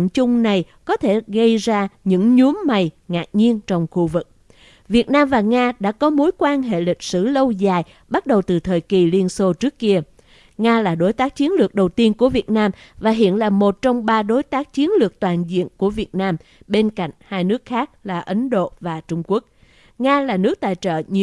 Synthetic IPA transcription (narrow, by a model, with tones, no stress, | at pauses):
nt͡ɕʊ˧ŋ͡mna˨˩j | kɔ˨˦t̪ʰe˧˩ɣə˧jzaː˧ɲɨ̰˧˥ŋɲu˨˦əmma˨˩jŋaː˨˩t̚ɲi˧ənt͡ɕɔ˧wŋ͡mxu˧vɨ˨˩k̚ | vi˨˩ət̚naː˧mvaː˨˩ŋaː˧ɗa̰ː˧˥kɔ˨˦mo˨˦jkwaː˧nɦḛ˧˨lï˨˩k̟̚sɨ̰˧˩lə˧wzaː˨˩j | ɓa˦˥t̚ɗə˨˩wt̪ɨ˨˩t̪ʰəː˨˩jki˨˩li˧ənso˧t͡ɕɨ˦˥əkːi˧ə | ŋaː˧laː˨˩ɗo˨˦jt̪aː˦˥k̚t͡ɕi˨˦ənlɨ˨˩ək̚ɗə˨˩wt̪i˧ənku˧˩əvi˨˩ət̚naː˧mvaː˨˩ɦḭ˧˨ənlaː˨˩mo˨˩t̚t͡ɕɔ˧wŋ͡mɓaː˧ɗo˨˦jt̪aː˦˥k̚t͡ɕi˨˦ənlɨ˨˩ək̚t̪waː˨˩nzḭ˧˨ənku˧˩əvi˨˩ət̚naː˧m | ɓe˧nka̰˧˨jŋ̟haː˧jnɨ˦˥ək̚xaː˦˥k̚laː˨˩ʔə˨˦nɗo̰˧˨vaː˨˩t͡ɕʊ˧ŋ͡mku˦˥ək̚ | ŋaː˧laː˨˩nɨ˦˥ək̚t̪a̰ː˧˨jt͡ɕə̰ː˧˨ɲ˧˨